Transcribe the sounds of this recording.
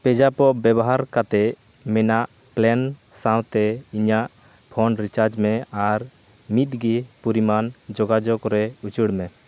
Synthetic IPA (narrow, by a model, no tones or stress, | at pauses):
pɛd͡ʒapɔbjɛbɔɦaɾkat̪ɛʔ | mɛnaʔ | plɛn | sãw̃t̪ɛiɲaʔ | pʰɔnɾit͡ʃaɾd͡ʒmɛaɾ | mit̪̚ɡipuɾimand͡ʒɔɡad͡ʒɔkɾɛut͡ʃuɽmɛ